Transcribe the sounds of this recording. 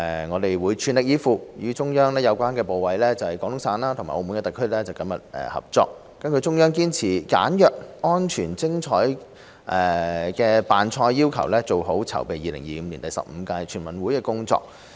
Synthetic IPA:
ɛ˨˧ŋɔː˨˧t̪e˨jwuː˨˧jt͡ʃʰyː˨˧nlɪ˨k̚jiː˨˧fuː˨˧jyː˨˧˥t͡ʃʊ˥ŋjœː˥ŋlɛː˥jɐ˨˧wkʷaː˥nkɛː˧po˨wwɐ˨˧jlɛː˥t͡sɐ˨˩hɐ˨jkɔː˨˥ŋt̪ʊ˥ŋsaː˨˧nlaː˥t̪ʰʊ˨˩maː˨˩ʔo˧mu˧nkɛ˧t̪kʰːɵ˥lɛː˥t͡sɐ˨wkɐ˥mjɐ̰˨t̚ɛ̰ː˨˧hɐ̰˨p̚t͡sɔ̰ː˧k̚ːɐ˥nkɵ˧ɥt͡ʃʊ˥ŋjœː˥ŋkiː˥nt͡sʰiː˨˩ka̰ː˨˥njœː˨k̚ɔː˥nt͡ʃʰyː˨˩nt͡sɪ˥ŋt͡ʃʰɔ̰ː˨˥j | ʔɛ˨˩kɛː˧paː˨nt͡ʃʰɔː˧jːiː˥wkʰɐ̰˨˩wlɛː˥t͡so˨wɦo˨˥wt͡sʰɐ̰˨˩wpe˨jiː˨˩lɪ̰˨˩ŋjiː˨m̩˨˧liː˨˩nt̪ɐ˨˩jsɐ̰˨p̚m̩ː˨˧kaː˧jt͡ʃʰyː˨˩nmɐ˨nwuː˨˥jkɛː˧kʊ˥ŋt͡sɔ̰ː˧˨k̚

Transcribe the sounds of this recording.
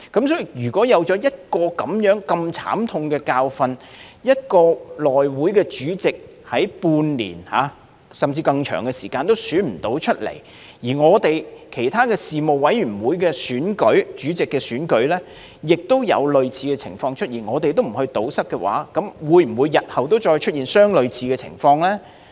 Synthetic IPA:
kɐ˨˥msɔː˨˥i˨jyː˨˩kɔː˨˥jɐ˨˧wt͡sɔː˨˥jɐ˥t̚kɔː˧kɐ˨˥mjœː˨˥ŋkɐ˧mt͡sʰa̰ː˨˥mt̪ʰʊ˧ŋkɛː˧kaː˧wfɐ˧njɐ˥t̚kɔː˧lɔː˨jwuː˨˥jkɛ˧t͡ʃyː˨˥t͡sɪ˨k̚ | hɐ˨˥jpuː˧nlḭː˨˩nha̰ː˨˧ | sɐ˨mt͡siː˧kɐ˧ŋt͡ʃʰœ̰ː˨˩ŋkɛ˧sḭː˨˩kaː˧nt̪o˥wsyː˨˥nm̩˨˩t̪o˨˥wt͡ʃʰɵ˥t̚lḛ˨˩j | jiː˨˩ŋɔː˨˧t̪e˨jkʰe˨˩jt̪ʰaː˥kɛː˧siː˨mo˨wwɐ˨˥jyː˨˩wuː˨˧˥jkɛː˧syː˨˥nkɵ˨˥ɥt͡ʃyː˨˥t͡sɪ˨kːɛː˧syː˨˥nkɵ˨˥ɥlɛː˥ | jɪ˨k̚t̪o˥wjɐ̰˨˧wlɵ˨ɥt͡sʰiː˧kɛː˧t͡sʰɪ̰˨˩ŋfɔː˧ŋt͡ʃʰɵ˥t̚jiː˨˩nŋɔː˨˧t̪̬e˨jt̪o˥wm̩˨˩hɵ˧ɥt̪o˨˥wsɐ˥kːɛ˧wa̰ː˨˥kɐ˨˥mwuː˨˧jm̩˨˩wu˨˧jːɐ˨t̚hɐ˨wt̪o˥wt͡ʃɔː˧jt͡ʃʰɵ˥t̚iː˨nsœː˥ŋlɵ˨˧ɥt͡sʰiː˧kɛː˧t͡sʰɪ̰˨˩ŋfɔː˧ŋlɛː˥

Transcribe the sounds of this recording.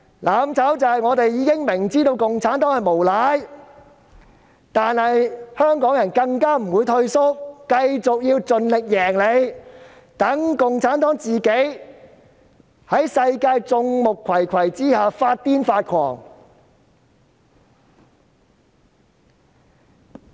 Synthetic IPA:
laː˨˥mt͡sʰɐ˨˥wt͡sɐ˨hɐ˨jŋɔː˨˧t̪e˨jiː˨˧kɪ˥ŋmɪ˨˩ŋt͡siː˥t̪o˧wkʊ˨ŋt͡sʰaː˨˥nt̪ɔː˨˥jhɐ˨˩jmo˨˩wla˨˥j | t̪aː˨nhɐ˨jhœː˥ŋkɔː˨˥ŋjɐ˨˩nkɐ˧ŋkaː˥m̩˨˩wuː˨˧˥jt̪ʰɵ˧ɥsʊ˥k̚kɐ˧jt͡sʊ˨k̚jiː˧wt͡sɵ˨nlɪ˨k̚jɛː˨˩ŋle˨˧j | t̪ɐ˨˥ŋkʊ˨ŋt͡sʰaː˨˥nt̪ɔː˨˥ŋt͡siː˨ke˨˥j | hɐ˨˥jsɐ˧jkaː˧jt͡sʊ˧ŋmʊ˨kʰːwɐ˨˩jkʰɐ˨˩jt͡siː˥haː˨˧faː˧t̚t̪iː˥nfaː˧t̚kʰɔ̰ː˨˩ŋ

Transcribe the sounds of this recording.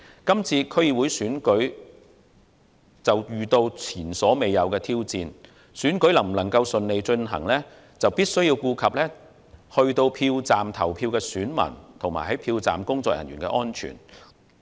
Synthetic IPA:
kɐ˥mt͡sʰiː˧kʰɵ˥ɥji˨˧wu˨˥jsyː˨˥nkɵ˨˥ɥ | t͡sɐ˨wjyː˨t̪o˧wt͡sʰiː˨˩nsɔː˨˥me˨jːɐ˨˧wkɛː˧t̪ʰiː˥wt͡siː˧n | syː˨˥nkɵ˨˥ɥlɐ˨˩ŋm̩˨˩lɐ˨˩ŋkɐ˧wsɵ˨˧nle˨˧jt͡ʃɵ˧nɦɐ̰˨˩ŋlɛː˥ | t͡sɐ˨wpiː˥t̚sɵ˥ɥjiː˧wkuː˧kʰɐ˨p̚lɛː˥ | hɵ˧ɥt̪o˧wpʰiː˧wt͡saː˨˩mt̪ʰɐ˨˩wpʰiː˧wkɛː˧syː˨˥nmɐ̰˨˩nt̪ʰʊ˨˩ŋma̰ː˨˩hɦɐ˨˥jpʰiː˧wt͡sa̰ː˨mkʊ˥ŋt͡sɔː˧k̚jɐ̰˨˩njyː˨˩kɛ̰ː˧ʔɔː˥nt͡ʃʰy̰ː˨˩n

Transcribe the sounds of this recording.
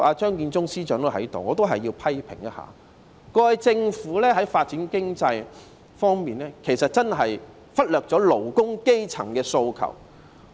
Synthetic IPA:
ʔaː˧t͡ʃœː˥ŋkiː˧nt͡sʊ˥ŋsiː˥t͡ʃœː˨˥ŋt̪o˥hɐ˨˥jt̪o˨wŋɔː˨˧t̪o˥wɦɐ˨jːiː˧wpʰɐ˥jpʰɪ̰˨˩ŋjɐ˥ha̰ː˨˩ | kɔː˧˨˧jt͡sɪ˧ŋfuː˨˥lɛː˥ɦɐ˨˥jfaː˧t̚t͡siː˨˥nkɪ˥ŋt͡sɐ˧j | fɔː˥ŋmiː˨nlɛː˥kʰe˨˩jsɐ˨t̚t͡sɐ˥nɦɐ˨j | fɐ˥t̚lœː˨k̚t͡sɔː˨˥lo˨˩wkʊ˥ŋke˥jt͡sʰɐ̰˨˩ŋkɛː˧so˧wkʰɐ̰˨˩w

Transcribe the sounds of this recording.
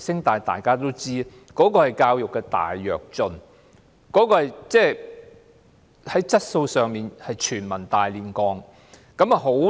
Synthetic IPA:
sɪ˥ŋt̪aː˨jt̪a̰ː˨jkaː˥t̪o˥wt͡siː˥ | kɔː˨˥kɔː˧hɐ˨˩jkaː˧wjʊ˨kːɛ˧t̪a̰ː˨˩jːœː˨˩k̚t͡ʃɵ˧n | kɔː˨˥kɔː˧hɐ˨jt͡sɛː˥˩ | hɐ˨˦˥jt͡sɐ˥t̚so˧wsœː˨ŋmiː˨nhɐ˨jt͡ʃʰyː˨˩nmɐ˨˩nt̪aː˨jliː˨˩nkɔː˧ŋ | kɐ˨˥m˨ɦo˨˥

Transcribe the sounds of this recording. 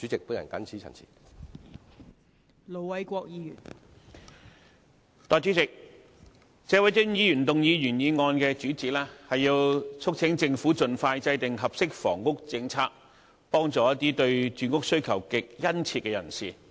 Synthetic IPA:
t͡ʃy˨˥t͡sɪ˨k̚puː˨˥njɐ̰˨˩nkɐ̰˨˥nt͡sʰiː˨˥t͡sʰɐ̰˨˩nt͡sʰḭː˨˩ | lo˨˩wwɐ˨˧jkʷɔː˧k̚jiː˨˧jy̰ː˨˩n | t̪ɔː˨˩jt͡ʃyː˨˥t͡sɪ˨k̚ | t͡sɛː˨˧wɐ˨˥jt͡sɪ˥ŋjiː˨˧jyː˨˩nt̪ʊ˨ŋjiː˨˧jyː˨˩njiː˨˧ŋɔː˧nkɛː˧t͡ʃyː˨˥t͡siː˨˥laː˥hɐ˨jːiː˧wt͡ʃʰʊ˥k̚t͡sʰɪ˨˥ŋt͡sɪ˧ŋfuː˨˥t͡sɵ˨nfaː˧jt͡sɐ˧jt̪ɪ˨ŋɦɐ˨p̚sɪ˥k̚fɔ̰ː˨˩ŋkʊ˥k̚t͡sɪ˧ŋt͡sʰaː˥k̚ | pɔː˥ŋt͡sɔː˨˥jɐ˥t̪̚ːiː˥t̪ɵ˧ɥt͡ʃyː˨˧nkʊ˥k̚sɵ˥ɥkʰɐ˨˩wkɪ˨k̚jɐ˥nt͡sʰi˧t̚kɛː˧jɐ˨˩nsiː˨˩

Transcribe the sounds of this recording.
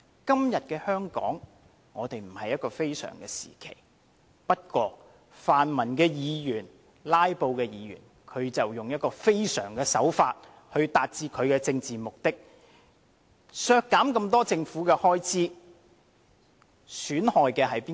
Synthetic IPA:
kɐ˥mjɐ˨t̚kɛː˧hœː˥ŋkɔ̰ː˨˥ŋ | ŋɔː˨˧t̪e˨jm̩˨˩hɐ˨jɐ˥t̚kɔː˧fe˥jsœ̰ː˨˩ŋkɛː˧sḭː˨˩kʰḛ˨˩j | pɐ˥t̚kwɔː˧ | faː˨nmɐ˨˩nkɛː˧jiː˨˧jyː˨˩n | laː˥jpo˧wkɛː˧jiː˨˧jy̰ː˨˩n | kʰɵ˨˧ɥt͡sɐ˨wjʊ˨ŋjɐ˥t̚kɔː˧fe˥jsœ̰ː˨˩ŋkɛː˧sɐ˨˥wfaː˧t̚ | hɵ˧ɥt̪aː˨t̚t͡siː˧kʰɵ˨˧ɥkɛː˧t͡sɪ˧ŋt͡siː˨mʊ˨k̚t̪ɪ˥k̚ | sœː˧kːaː˨˥mkɐ˧mt̪ɔː˥t͡sɪ˧ŋfuː˨˥kɛː˧hɔː˥jt͡sʰiː˥ | syː˨˥nhɔː˨jkɛː˧ɦɐ˨jpiː˥

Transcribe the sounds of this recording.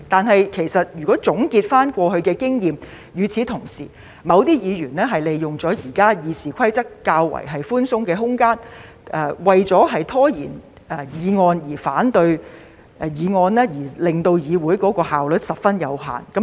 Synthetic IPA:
t̪aː˨nɦɐ˨jkʰe˨˩jsɐ˨t̚jyː˨˩kɔː˨˥t͡sʊ˨˥ŋkiː˧t̚faː˥nkʷɔː˧hɵ˧ɥkɛː˧kɪ˥ŋjiː˨m | jyː˨˧t͡sʰiː˨˧t̪ʰʊ˨˩ŋsḭː˨˩ | mɐ˨˧wt̪iː˥jiː˨˧jyː˨˩nlɛː˥ɦɐ˨jle˨jːʊ˨˩ŋt͡sɔː˨˥jiː˨˩kaː˥jiː˨siː˨kʷʰɐ˥jt͡sɐ˥kːaː˧wːɐ̰˨˩jɦɐ˨jfuː˥nsʊ˥ŋkɛː˧ɦʊ˥ŋkaː˥n | ʔɛː˧wɐ˨jt͡sɔː˨˥ɦɐ˨jt̪ʰɔː˥jḭː˨˩n | ʔɛ˧jiː˨˧ŋɔː˧njiː˨˩faː˨˥nt̪ɵ˧ɥ | ʔɛ˨˧jiː˨˧ŋɔː˧nlɛː˥jiː˨˩lɪ˨ŋt̪o˧wjiː˨˧wuː˨˥jkɔː˨˥kɔː˧haː˨wlɵ˨t̚sɐ˨p̚fɐ˥njɐ˨˧wɦa̰ː˨˩nkɐ˨˦

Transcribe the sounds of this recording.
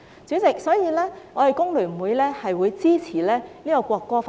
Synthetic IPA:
t͡syː˨˥t͡sɪ˨˩k̚sɔː˨˥jiː˨˧lɛː˥ŋɔ˨˧te˨jkʊ˥ŋlyː˨˩m̩˨˩wuː˨˧jlɛː˥hɐ˨jwuː˨˧jt͡siː˥t͡sʰiː˨˩lɛː˥liː˥kɔ˧kʷɔː˧kːɔː˥fa˨

